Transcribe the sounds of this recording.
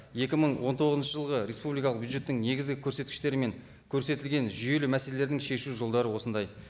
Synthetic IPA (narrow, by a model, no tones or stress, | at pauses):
je̞kʲɪməɴwo̞nt̪ʰo̞ʁəznʃəʒəlˠʁəɾe̞spublijk̬ɑlˠəq̚bjud̪ʒe̞t̪ːɪŋne̞ɡʲɪzɡʲɪkʲʰɵɾse̞t̪kɪ̥ʃt̪e̞ɾɪme̞ŋ | kʲʰɵɾse̞t̪ɪlɡʲe̞nʒʏje̞lɪmæse̞lele̞ɾd̪ɪŋʃe̞ʃuʒo̞lˠd̪ɑɾəwo̞sənd̪ɑj